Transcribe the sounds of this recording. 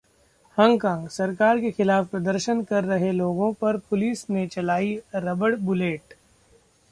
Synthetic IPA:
hɐ̃ŋɡkãːŋɡsɐɾkaːɾkexɪlaːfpɾɐd̪əɾʃənkɐɾːɐɦeloːɡõpɐɾpʊliːsnet͡ʃɐlaːiɾɐbəɽbʊleːʈ

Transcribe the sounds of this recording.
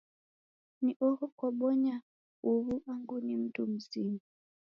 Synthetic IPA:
niʔɔhɔkwɔɓɔɲa | uβuaŋɡunim̩tum̩zimu

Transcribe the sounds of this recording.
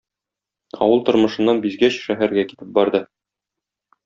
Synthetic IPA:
ɒ̰wɤlˠt̪ŏɾmɤ̆ʃɤ̆nːɑnbizɡæɕʃæɦæɾɡæki̥t̪ɘp̚bɒɾd̪ɤ

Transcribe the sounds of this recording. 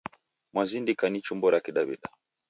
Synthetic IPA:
mwazindikanit͡ʃumbɔɾakiɗaβḭɗa

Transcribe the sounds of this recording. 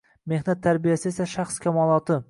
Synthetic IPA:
me̞hnat̪ʰːaɾbijasɪe̞saʃaχskʲʰamɒlˠɒt̪ʰɪ

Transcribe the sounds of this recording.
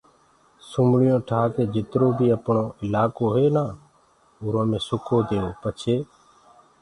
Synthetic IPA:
sʊmɽɪjõːʈʰaːkeːd͡ʒɪt̪ɾoːbʱiːəpɳõːɪlaːkoːɦeːnaː | ʊːɾõːmẽːsʊkʰoːd̪eːoːpət͡ʃʰeː

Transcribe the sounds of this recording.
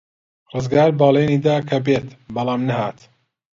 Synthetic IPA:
rɨzɡaːɾbɑːlˠeːniːd̪aːkʰɐbeːt̪bɐlˠaːmnɐɦaːt̪

